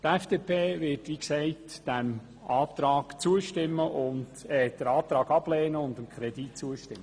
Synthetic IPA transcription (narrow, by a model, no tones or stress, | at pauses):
t̪ɛfd̥eːpʰeːʋɪtʋiksɛɪtd̥æm | ʔɑːpt̪ɾɑːɡ̥t͡suəʃtɪmːəʔʊndɛːd̥̪əɾɑːt̪ɾɑːɡɑb̥lɛːnəʊnd̪əmkʰχɾɛd̪itt͡suəʃtɪmːə